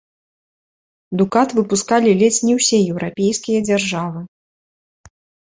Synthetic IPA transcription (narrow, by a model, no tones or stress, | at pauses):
d̪ukat̪vɨpuskalʲilʲɛsʲnʲiwsʲɛjɛwɾapʲejskʲijɐd͡zʲarʐavɨ